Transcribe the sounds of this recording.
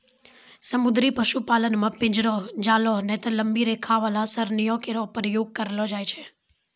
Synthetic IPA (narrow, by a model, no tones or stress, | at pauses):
səmud̪ɾipəʃupalənmãpɪ̃d͡ʒɾod͡ʒalonet̪ələmbiɾekʰaʋalasəɾnijokeɾopəɾjoɡ̚kəɾlod͡ʒajt͡ʃʰe